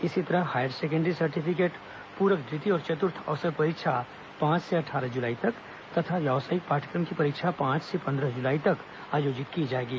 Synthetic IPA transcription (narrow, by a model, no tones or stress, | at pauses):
ɪsit̪ɐɾəɦhaːjəɖseːk̬ə̃ɳɖəɾisɐɾʈipʰɪk̬eːʈ | puːɾəkd̪ɾɪt̪iɔːɾt͡ʃɐt̪ʊɾt̪ʰɐ̰ʋsəɾpɐɾɪkʃʰa | pãːt͡ʃseɐʈʰaːɾəɦd͡ʒʊlaːit̪ɐk | t̪ɐt̪ʰaʋjɛʋsaːɪk̚paːʈʰə̥kɾəmkipɐɾɪkʃʰapãːt͡ʃsepɐ̃nd̪ɾəɦd͡ʒʊlaːit̪ɐk | aːjoːd͡ʒɪt̪kid͡ʒaːeːɡiː